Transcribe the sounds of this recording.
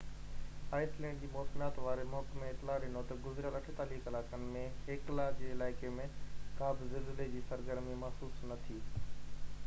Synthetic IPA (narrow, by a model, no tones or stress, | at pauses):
aːɪslɛ̃ːɳɖd͡ʑiːmɔːsɪnaːt̪ʋaːɾemɔːkmẽɪt̪ɪlaːɗɪnot̪ɐɡʊzɾijalɐʈʰet̪aːliːxɪlaːkənɪ̆mẽɦeklad͡ʑeːɪlaːɪkemẽkaːbɪzɪlzəled͡ʑiːsɐɾɡəɾmimɐɦsuːsnɐt̪ʰi